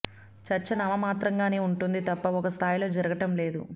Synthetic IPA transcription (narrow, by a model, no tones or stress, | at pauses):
t͡ʃɐɾt͡ʃːɐnɐmɐmaːt̪ɾɐŋɡaːne̞ːuɳʈund̪it̪ɐpːɐɔkɐst̪ʰaːjlo̞ːd͡ʒɐɾɐɡɐʈɐmle̞ːd̪ṵ